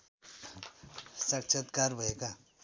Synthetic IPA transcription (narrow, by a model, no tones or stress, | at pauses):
sək̚t͡ʃʰət̪kaɾbʱəeka